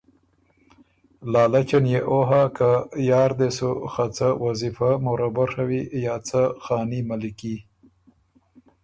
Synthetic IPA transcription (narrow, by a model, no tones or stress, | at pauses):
lɑːlat͡ʃanjeʔoɦakajɑːɾd̪esuxat͡sawazifamoɾabaʂawijɑːt͡saxɑːnimaliki